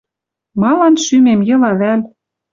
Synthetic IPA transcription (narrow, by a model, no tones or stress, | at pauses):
mɑlɑnʃymemjɤ̆lɑβælʲ